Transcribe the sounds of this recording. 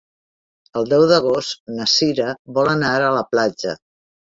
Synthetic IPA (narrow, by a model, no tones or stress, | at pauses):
əlˠd̪ɛwðəɣ̞ost̪nəsiɾəβɔlənaɾələplad͡ʒə̰